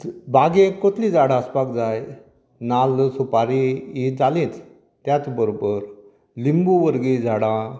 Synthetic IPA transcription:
baɡekot̪lid͡zaɽaəspak̚d͡zaj | nalsupaɾiid͡zalĩːt͡s | t̪jat͡sbəɾobəɾ | limbuʋəɾɡid͡zʱaɽã

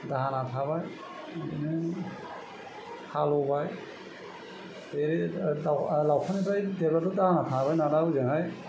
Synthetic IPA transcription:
daɦanatʰaβaj | dinɯ | halɔbaj | eɾidawlawpʰanipajdebatɔdaɦanatʰaβajnaɾauzɯŋaj

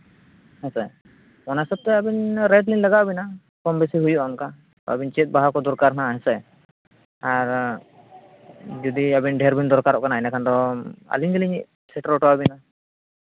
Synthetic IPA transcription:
hɛsɛ | mɔnasɔb̚t̪ɛabinɾɛʈlinlaɡaʔbina | kɔmbɛsiɦujuʔaŋka | t̪ɔ̰a̰bint͡ʃɛt̪̚ˀbaɦakɔd̪ɔɾkaɾɦnaɦɛsɛ | aɾ | d͡ʒɔd̪iabinɖʱɛɾbind̪ɔɾkaɾɔʔkanajnakʰand̪ɔa̰liɲd͡ʒaliɲiʔ | sɛʈɾɔʈɔabina

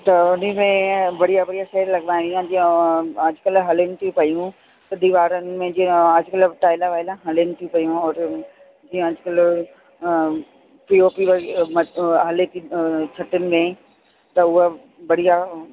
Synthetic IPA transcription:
t̪ɐʊnəmẽbɐɽijabɐɽijaʃɛːɾlɐɡʋaːj̃d̪iãd͡ʑiõɐd͡ʑkɐlɦɐlɪnɪ̆t̪ʰijũpɐjũ | t̪ɐd̪iːʋaːɾənɪ̆mẽd͡ʑĩɐd͡ʑkɐlʈaːɪlaʋaːɪlãɦɐlɪnɪ̆t̪ʰijũpɐjũɔːɾ | d͡ʑiːə̃ɐd͡ʑʊkɐl | pioːpiʋɐmɐɦɐlet̪ʰit͡ʃʰɐʈɪnɪ̆mẽ | t̪ɐʊɦə | bɐɽija

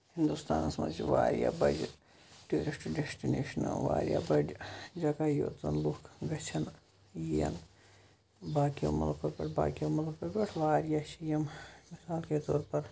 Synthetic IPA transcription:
hɪnd̪ust̪aːnɐsmɐ̰t͡ʃiʋa̰ːɾija̰bɐ̰d͡ʒ | ʈuːɾɪsʈɖesʈineːʃɐnɐʋa̰ːɾʲija̰bɐd͡ʒd͡ʒɐkaːjo̰ːt̪ɐ̰nlukʰɡɐt͡ʃʰɐn | jijɐ̰n | baːkijo̰mɐ̰lopɐpɐ̰ʈʰba̰ːkijomɐlɐpɐpɐʈʰʋaːɾjaʃijɐmmɪsaːlkeːt̪oːɾpɐɾ

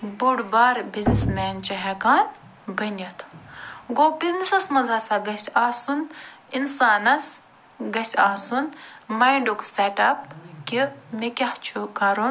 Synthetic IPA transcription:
buɽbaːɾbiznismɛːnt͡ʃɐɦɛkaːn | bɐnʲɐt̪ʰɡoːbiznisɐsmɐzɐsaɡɐsʲaːsun | insaːnɐs | ɡɐsʲaːsunmɐjɳɖukseʈɐp̚kʲimikʲɐht͡ʃʰukɐɾun

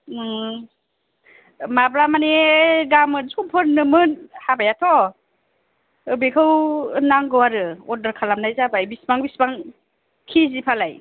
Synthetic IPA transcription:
mablamaneɡamɯnzumpʰɯɾnɯmɯnhabajatʰɔ | bekʰɯwnaŋɡɯwaɾɯɔdaɾkʰalamnajzabajbisbaŋbisbaŋ | kʰizipʰalaj

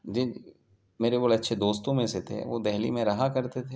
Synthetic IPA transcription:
d͡ʒi | meːɾeboːlɐtːʃʰed̪oːst̪õmẽset̪ʰḛʋod̪ɛɦlḭmẽɾɐɦakɐɾt̪et̪ʰeː

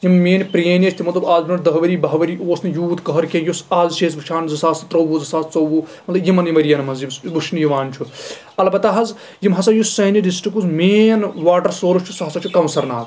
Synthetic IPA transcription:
jimmeːnʲpɾeːnʲet͡ʃʰt̪imɐt̪lɐbaːzbimɐɾd̪ɐɦʋɐɾiːbɐɦʋɐɾiːoːsnɨjuːt̪kɐɦɐɾkejusaːzʃeːzbɨt͡ʃʰaːnzɐsaːst̪ɾɐʋuzɐsaːst͡sɐwʋumɐt̪lɐbjimɐnjimɐɾijɐnɐmɐnzjimsbuʃʰnijiʋaːnt͡ʃʰu | ɐlbɐt̪aɦɐz | jimɦɐsɐjusɐːniɖisʈɾikuzmeːnʋaːʈɐɾsoːɾut͡ʃʰusɐɦɐsɐt͡ʃʰukɐ̃wnsɐɾnaːl

